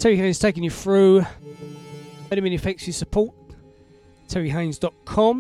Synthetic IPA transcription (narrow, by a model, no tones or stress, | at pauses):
tʰɛɹihẽɪ̃nz̥tʰeɪkɪ̃ŋjəθɹʉː | ɛɾəmɪ̃nɪfɛksəsəpʰɔˑʔ | tʰɛɹiɦɛ̃ɪ̃nzdɒʔkʰɒ̃m